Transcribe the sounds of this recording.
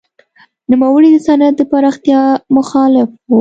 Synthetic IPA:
numawəɽid̪əsanat̪̚d̪əpaɾɑxt̪jɑmʊxɑlɪfwu

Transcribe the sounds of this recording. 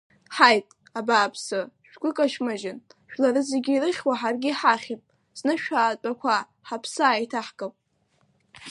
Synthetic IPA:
ħajtʼ | abaːpʰsɨʃᶣɡʷʊkʼaʃmaʒɪnʃᶣlaɾɨzeɡʲiːrɨχʲwaħarɡʲɪħaχʲepʼ | z̥nɨʃᶣaːt͡pʼakʷʰa | ħapʰsaːitʰaħkʼapʼ

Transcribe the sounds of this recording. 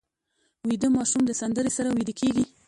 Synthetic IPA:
wid̪əmɑʃumd̪əsand̪əɾesaɾawid̪əkʰeɡi

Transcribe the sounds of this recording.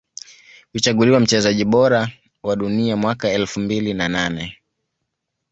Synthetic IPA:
hut͡ʃaɠuliwam̩t͡ʃɛzaʄiɓɔɾa | waɗuniamwakaɛlfumbilinananɛ

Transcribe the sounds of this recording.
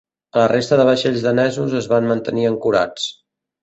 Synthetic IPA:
ələrest̪əðəβ̞əʃeʎzðənɛzuzəzβanmənt̪əniəŋkuɾa̰t͡s

